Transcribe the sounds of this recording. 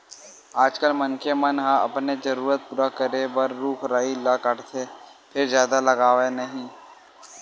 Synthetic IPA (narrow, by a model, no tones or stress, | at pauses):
aːd͡ʒkəlmɐnkemɐnɦãɐ̰pned͡ʒəɾuːɾət̪̚pʊɾakəɾebəɾːuːkʰɾaːilakəʈt̪ʰe | pʰɪɾzjaːd̪alɐɡaːʋenɐɦĩː